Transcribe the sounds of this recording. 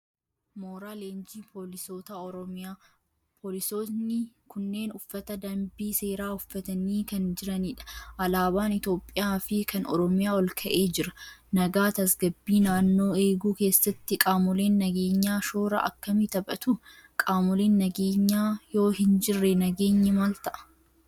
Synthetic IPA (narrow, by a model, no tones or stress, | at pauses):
moːɾaːleːnd͡ʒiːpʰoːlɪso̞ːt̪aɔɾɔmɪjaː | pʰoːlɪso̞ːsnɪ | kʊnːe̞ːnʊfːɐt̪ɐd̪ɐmbiːse̞ːɾaːʊfːɐt̪ɐniːkɐnd͡ʒɪɾɐniᶑɐ̥ʔɐlaːbaːnɪt̪o̞ːpʼːɪjaːfɪkʰɐnɔ̰ɾɔmɪjaːwɔlkʰɐʔe̞ːd͡ʒɪɾɐnɐɡaːt̪ɐsɡɐbːiːnaːnːo̞ːeːɡuːke̞ːsːɐt̪ːɪkʼaːmʊleːnːɐɡeːɲːaːʃoːɾɐ̰ʔɐ̰kːɐmɪt̪ɐbʼɐt̪ʊ | kʼaːmʊleːnːɐɡeːɲːaːjo̞ːhɪnd͡ʒɪrːɛnɐɡe̞ːɲːɪmaːlt̪ɐʔɐ̥